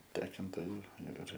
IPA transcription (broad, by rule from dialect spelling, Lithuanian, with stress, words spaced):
ˈtʲæːkoːntoːjʊ ɪr ɪr